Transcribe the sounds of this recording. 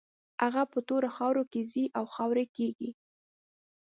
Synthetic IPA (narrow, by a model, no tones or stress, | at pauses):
haɣapət̪oɾaxɑwɾokeziʔawxɑwɾekeɡi